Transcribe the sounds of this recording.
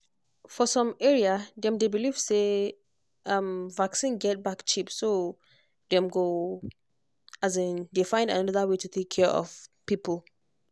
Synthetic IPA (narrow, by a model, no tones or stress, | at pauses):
fɔsɔ̃mɛɹiadɛ̃mdebiliv̥se | ʔʌ̃mvaksĩnɡɛt̚bakt͡ʃipso | dɛ̃mɡo | azɛ̃ndefãɪ̃ndanʌnʌðəwetutʰekʰːɛʔɔ̰v̥pipəl